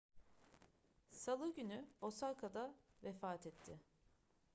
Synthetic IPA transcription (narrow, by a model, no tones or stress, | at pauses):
salˠɯɟynyosalkʰad̪avefaːt̪ʰɛt̪ʰːɪ̰